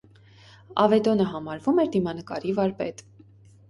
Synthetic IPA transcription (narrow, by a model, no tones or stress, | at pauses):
ɑ̰vɛd̪ɔnəɦɑmɑɾvumɛɾd̪imɑnəkɑɾivɑɾpɛ̰t̪